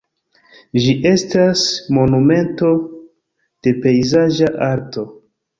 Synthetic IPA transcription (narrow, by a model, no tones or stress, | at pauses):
ʒiʔe̞stasmo̞nume̞nto̞ | d̥e̞pe̞jzaʒaʔaɾto̞